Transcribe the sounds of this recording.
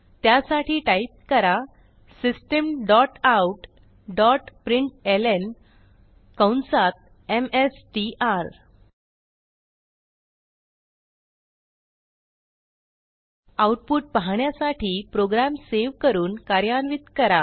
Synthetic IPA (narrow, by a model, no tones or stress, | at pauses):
t̪jasaʈiːʈaip̚kəɾa | sisʈəmɖɔʈawʈ | ɖɔʈpɾiɳʈelen | kəwnsat̪̚ | emesʈiʔaɾ | awʈ̚puʈ̚paɦaɳjasaʈʰiːpɾoɡɾamseʋkəɾuːnkaɾjanʋit̪kəɾa